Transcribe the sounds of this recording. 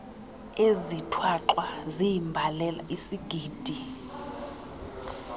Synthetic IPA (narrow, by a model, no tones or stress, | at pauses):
ezitʰwaǁwazijimbʱalɛla̰ʔisiɡ̥ʱiːd̥ʱi